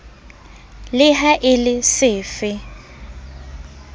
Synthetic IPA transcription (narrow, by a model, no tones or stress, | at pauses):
lɪɦaʔɪlɪsɪːfɪ